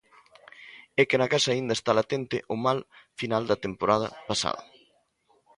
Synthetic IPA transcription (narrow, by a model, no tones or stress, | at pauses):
ɛkɪnɐkasɐaːind̪ɐest̪alat̪ent̪ɪ̰ʔʊmalfinald̪ɐt̪empoɾað̞ɐpasa̰ðɐ̰